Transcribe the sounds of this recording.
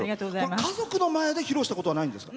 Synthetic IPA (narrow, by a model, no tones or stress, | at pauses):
iat̪oːakazo̞kɯ̟no̞maed̪e̞çiɾoːɕit̪ako̞t̪o̞βanaĩnd̪e̞sɨ̥ka